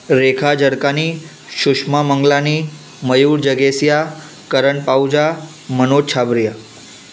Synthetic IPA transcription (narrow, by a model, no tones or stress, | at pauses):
ɾekʰad͡ʒəɽkani | ʃʊʃmaməŋɡlani | məjuɾd͡ʒəɡesja | kəɾəɳpaud͡ʒa | mənot͡ʃʰabɾja